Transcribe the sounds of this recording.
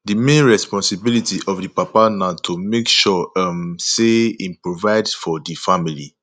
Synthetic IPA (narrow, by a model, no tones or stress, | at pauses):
dimẽnɹɛspɔ̃nsibilitiʔɔfdipapanatʰumekʃɔamseĩnpɹovaɪdfɔdifamilḭ